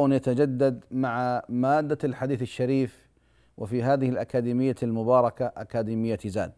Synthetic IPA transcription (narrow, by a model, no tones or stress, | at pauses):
njat̪ad͡ʒad̪ːad̪maʕamaːd̪ːalħad̪iːθɪʃːaɾiːf | wʔɪ̰fiɦaːðɪhɪlʔakaːd̪iːmɪjːalmʊbɑːɾˤɑkaʔakaːd̪iːmɪjːaza̰ːd̪̚